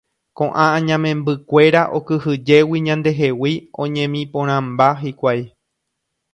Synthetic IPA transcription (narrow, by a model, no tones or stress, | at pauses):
kõ̞ʔããɲãmẽmbɨkʷe̞ɾaʔo̞kɨhɨd͡ʒe̞wiɲãnd̪e̞ɦe̞wiõ̞ɲẽmĩpõɾ̃ãmbaɦikʷaj